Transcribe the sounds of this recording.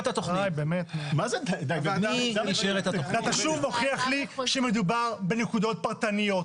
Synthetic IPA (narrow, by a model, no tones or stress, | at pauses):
t̪at̪oχajbeːmet̪mazedd̪aɡaaiʃeʁet̪aoat̪aʃuvo̞χiaχliʃeme̞d̪ubaʁbe̞nekud̪o̞t̪̚paʁt̪anijo̞t